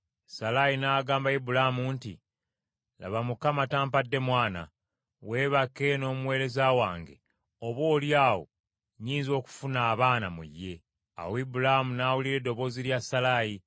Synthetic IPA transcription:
salajinaːɡaːmbaibulahamuntḭ | la̰βamukamataːmpadːe̞mwaːna̰ | we̞ːβakːe̞no̞ːmuwe̞ːɾe̞zawaːŋɡe̞̰ | oβwo̞ːljaːwo̞̰ | ɲiːnzo̞ːku̥funaːβaːnamṵjːe̞ | a̰woibulahamunaːwuliɾe̞dːo̞βo̞ːziljasalaːji

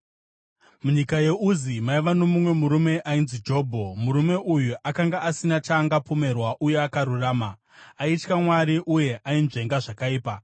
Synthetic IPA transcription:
muɲikaje̞uzimaiʋano̞mumwe̞muɾume̞ʔainzid͡ʒo̞ːbʱo̞muɾume̞ujuʔakaŋɡaasinat͡ʃaŋɡapo̞me̞rwaʔuje̞akaɾuraːma | ait͡ʃkamwaɾiʔuje̞ʔainʐe̞ŋɡaʐakaiːpa

